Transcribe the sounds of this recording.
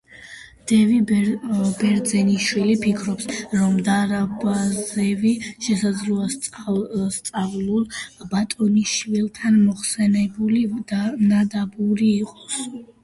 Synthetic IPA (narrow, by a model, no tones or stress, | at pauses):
d̪̥ɛvi | bɛɾd̪zɛniʃwilipʰikʰɾɔpsɾɔmd̪aɾabazɛviʃɛsad̪zluas | st̪sʼavlˠulˠbat̪ʼɔniʃwilˠt̪ʰanmɔχsɛnɛbulid̪anad̪abuɾiːqʼɔ̥s